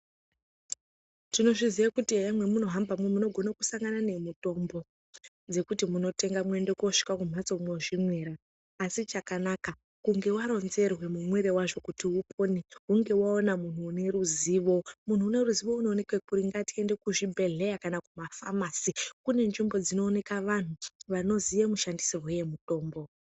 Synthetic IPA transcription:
tino̞ʐiziʋakutiejamwe̞muno̞ɦambamwemuno̞ɡʱo̞naku̥saŋɡanane̞muto̞mbo̞ | d͡ze̞kutimuno̞te̞ŋɡamwe̞nde̞ko̞ʂi̥kakum̤at͡somwoʐimweːɾaː | sit͡ʃakanaka | kuŋɡe̞waɾo̞nze̞rwe̞mumweɾe̞waʐo̞kutiupʰo̞niuŋɡe̞waonamun̤uːne̞ruziːʋo̞mun̤uːne̞ruziʋo̞uno̞ːnekwekuɾiŋɡatie̞nde̞kuʐibʱe̞ɮe̞jakanakumafamaːsikune̞nʐimbo̞d͡zino̞ːne̞kaʋan̤uʋano̞zijemuʃandisirwejemuto̞ːmbo̞

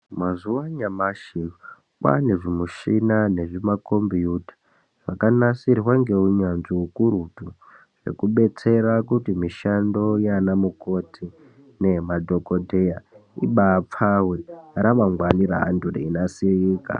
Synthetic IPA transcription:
mazuwaɲamaʃin | kwa̰neʐimuʃinane̞ʐimako̞mbijuti̥ | ʐ̥akanasirwaŋɡe̞uɲanʐiukuɾutu | ʐ̥e̞̰kuɓe̞t͡se̞ɾakutimiʃando̞janamuko̞tʰi | ne̞madʱokodʱejaḭɓaːp͡faweɾamaŋɡwaniɾa̰ɦa̰ndureinasiriːka̰

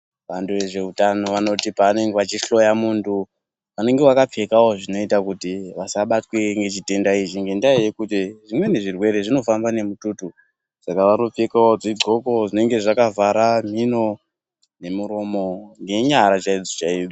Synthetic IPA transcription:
ʋantuʋe̞ʐe̞utano̞ʋano̞tipaːne̞ŋɡeʋat͡ʃiɬo̞jamuntʰu | ʋane̞ŋɡeʋakap͡fe̞kawo̞ʐino̞itakutiʋasaɓatwe̞ŋɡe̞t͡ʃite̞ndait͡ʃiŋɡe̞ndaajekutiʐimwe̞ne̞ʐirwe̞ɾe̞ʐino̞fambane̞mututu | sakaʋano̞p͡fekaod͡ziɡʱo̞ko̞ʐine̞ŋɡe̞ʐakavaɾam̤ino̞ | ne̞muɾo̞mo̞ŋɡe̞ɲaɾat͡ʃaid͡zot͡ʃaid͡zo

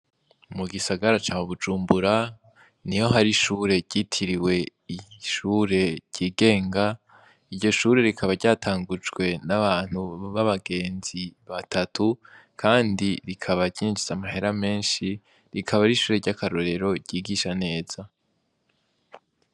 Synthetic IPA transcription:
muɡisaɡaɾat͡ʃaːmuβud͡ʒuːmbuɾa | nijo̞ɦaɾiʃuːɾe̞ɟitʰiɾiwe̞iʃuːɾe̞̥ɟ̥iːɡe̞ːŋɡa | iɾɟo̞ʃuːɾe̞ɾikʰaβaɾɟaːtʰaːŋɡud͡ʒɡwe̞naβaːn̥huβaβaɡe̞ːnziβatʰatʰukʰaːndiɾikʰaβaɾɟiːnd͡ʒiz̥amahe̞ɾame̞ːnʃi | ɾikʰaβaɾiʃuːɾe̞ɾɟakʰaɾo̞ɾe̞ɾo̞ɟ̥iːɡiʃane̞ːz̥a

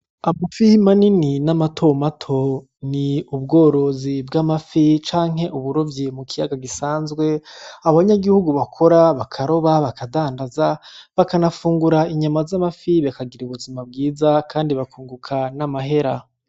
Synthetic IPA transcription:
amafimanininamatʰo̞matʰo | niubɡo̞ːɾo̞zibɡamafit͡ʃaːŋ̥ɦe̞ʔuβuɾovjimukʰijaɡaɡisaːnzɡwe̞aβaɲaɡihuɡuβakʰo̞ɾaβakʰaɾo̞βaβakadaːndazaβakanafuːŋɡuɾaiɲamazamafiβakaɡiɾuβuzimab̚ɡiːzakʰaːndiβakuːŋɡukʰanamaɦe̞ɾa

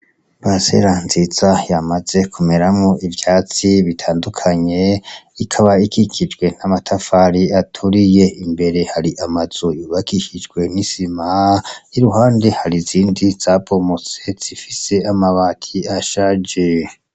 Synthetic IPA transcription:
basḛɾanziz̥ajamaze̞kʰume̞ɾamŋoʔivjaːt͡siβitʰaːndukʰaɲe̞ikʰaβaikʰikʰid͡ʒɡwe̞namatʰafaɾiatʰuɾije̞imbe̞ɾe̞haɾiʔamaz̥ojuːβakiʃid͡ʒɡwe̞nisimaiɾuɦaːndehaɾiziːndiz̥apo̞mot͡se̞z̥ifise̞amaβatʰiaʃad͡ʒe

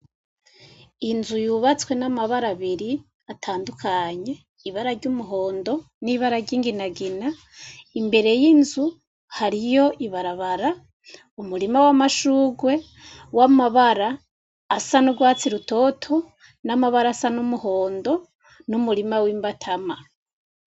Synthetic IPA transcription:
inzujuβat͡swe̞namaβaɾaβiɾi | atʰaːndukʰaɲe̞ | iβaɾaɾɟumuɦo̞ːndo̞ | niβaɾaɾɟiːŋɡinaɡina | imbe̞ɾe̞jinzu | haɾijo̞ʔiβaɾaβaɾa | umuɾimawamaʃuːɡwe̞ | wamaβaɾaː | sanuɡwaːt͡siɾuto̞ːtʰo̞ | namaβaɾasanumuho̞ːndo̞ | numuɾimawiːmbatʰama

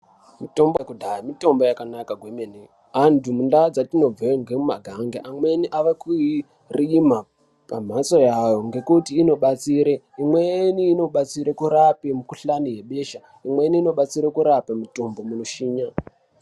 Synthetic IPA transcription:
mito̞mbokudʱaamito̞mbo̞jakanakaɡʱwemene | ɦantumundad͡zatino̞b͡veŋɡemumaɡʱaŋɡeʔamwe̞niʔaʋekui | rima | pam̤asojajoŋɡe̞kutiːno̞ɓat͡siːɾe | imweniːno̞ɓat͡siɾekuɾapemukuɬanije̞ɓe̞ʃa | imwe̞niːno̞ɓat͡siɾekuɾapemuto̞mbo̞munoʃiːɲa

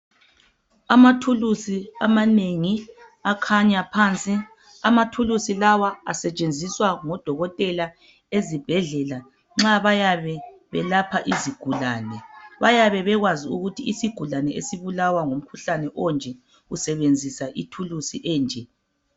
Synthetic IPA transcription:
amatʰulusiamaneŋi | akʰaɲapʰant͡sʼi | amatʰulusilawaasɛt͡ʃʼend͡zʱiswaŋɔd̥ʱɔɣɔtʼɛla | ezib̥ʱɛɮɛla | ŋ͡ǁaβajaβɛβɛlapʰaʔiziɡ̥ʱulaːnɛβajaβɛβɛɣwaziuɣutʰiːsiɡ̥ʱulanɛʔḛsiβulawaŋom̩kʰuɬanɛʔɔnd͡ʒʱɛ | usɛβend͡zʱisaʔitʰulusiʔɛːnd͡ʒʱɛ

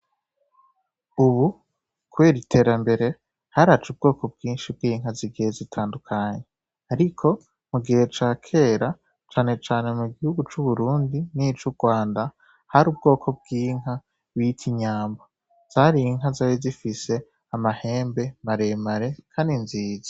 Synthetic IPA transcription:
uβu | kwe̞ːɾitʰe̞ːɾambe̞ɾe̞ | haɾat͡ʃub̚ɡo̞ːko̞b̚ɡiːnʃib̚ɡiːŋɦaziɡijezitʰaːndukʰaɲe̞ | aɾikʰo̞ | muɡihe̞t͡ʃaːkʰe̞ːɾa | t͡ʃaːne̞t͡ʃaːne̞muɡihuɡut͡ʃuβuɾuːndinit͡ʃuɡwaːnda | haɾuːb̚ɡo̞ːkʰo̞b̚ɡiːŋ̥ɦa | witʰiɲaːmba | z̥aɾiŋɦazaːwizifise̞ | amahe̞ːmbe̞maɾe̞maɾe̞kʰaːndinziːzḁ

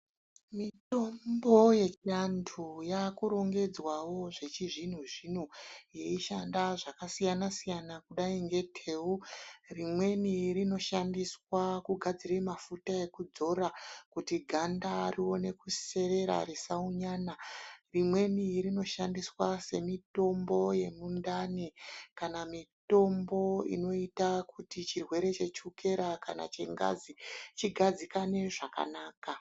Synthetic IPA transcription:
mito̞mbo̞je̞t͡ʃiantʰujakuɾo̞ŋɡe̞d͡zwawo̞ʐe̞t͡ʃiʐin̤uʐin̤uje̞iʃandaʐakasijanasijanakuɗaiŋɡe̞tʰe̞ːurimwe̞nirino̞ʃandiswakuɡʱad͡ziɾemafutae̞kud͡zo̞ɾakutiɡʱandariwo̞ne̞kuse̞ɾe̞ɾa̰ɾisauɲaːnarimwe̞nirino̞ʃandiswase̞mito̞mbo̞je̞mundanikanamito̞mbo̞ḭno̞itakutit͡ʃirwe̞ɾe̞t͡ʃe̞t͡ʃuke̞ɾakana̰t͡ʃe̞̰ŋɡa̰zit͡ʃiɡʱad͡zikane̞ʐaka̰naːka

